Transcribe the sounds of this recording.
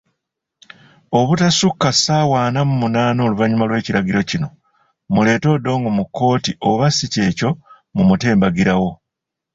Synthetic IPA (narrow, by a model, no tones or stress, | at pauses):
o̞βutasukːasaːwaːnamumunaːno̞ːluvaɲumalwe̞ːciɾaɟiɾo̞cino̞ | mule̞ːto̞ːdo̞ːŋɡomukːo̞ːtiʔo̞βasice̞ːco̞ | mumute̞ːmbaɡiɾawo̞